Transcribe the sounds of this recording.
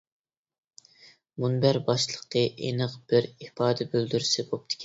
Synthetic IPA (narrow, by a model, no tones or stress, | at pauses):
munbæɾbɑʃlˠəqt̪ʰɨʔḛnəqb̥ɪɾipɑːd̪ɛbøld̪yɾysɪbop̚t̪ʰɪ̥kʲʰ